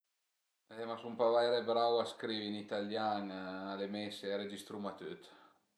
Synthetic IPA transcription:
ɛmasumpavaeɾebɾawaskɾivinit̪aljaŋalemɛseeɾed͡ʒist̪ɾumat̪øt̪

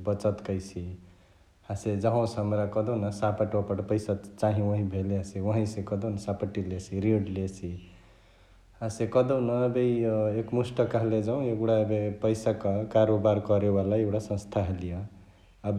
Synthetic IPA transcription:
bʌt͡sʌt̪kʌjt͡sʰi | hased͡zʌɦãw̃sɦʌmɾakʌd̪ʌwnʌsapaʈopʌʈpʌjsat͡saɦĩwʌɦĩbʱeleɦasiwʌɦʌ̃ĩsẽkʌd̪ʌwnʌsapəʈːilet͡sʰiɾiɽlet͡sʰi | asekʌd̪ʌwnʌːbejekmusʈʌkaled͡zaw̃ekɽabepʌjsakakaɾobaɾkʌɾebalaewɽasʌ̃st̪ʰaɦelijʌː | b

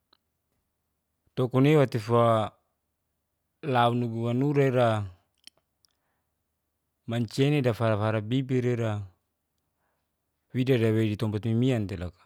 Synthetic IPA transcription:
t̪ɔkɔnewat̪ifa | launuɡubanuɾaiɾa | maɲt͡ʃenedafaɾafaɾabibiɾeɾa | widadawedit̪ɔmbat̪mimiant̪elakḁ

